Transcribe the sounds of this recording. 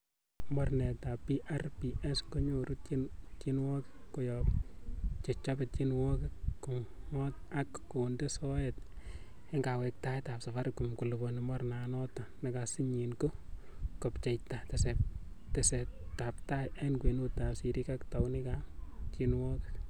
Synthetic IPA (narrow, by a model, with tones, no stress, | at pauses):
mɔ˦rne˨ta˨piʔa˦rpiʔɛ˦sko˦ɲo˨ɾutt͡ʃt͡ʃinwɔ˦kko˨jɔp | t͡ʃe˨t͡ʃape˨t͡ʃinwɔ˦kɪko˨ŋɔt̚ | akko˨ndesɔ˦ɛt | e˦ŋɡawɛ˨k̚ta˦jta˨psa˨fa˦ɾku˨mku˨lu˨bonimɔ˦rnanɔ˦ta˨nakasi˦ɲinko˦ | kɔ˨pt͡ʃe˨jtatese˨p̚teseta˨pta˦jʔenkwe˨no˦ta˨psiɾi˦kakta˨wnikat͡ʃinwɔː˦ke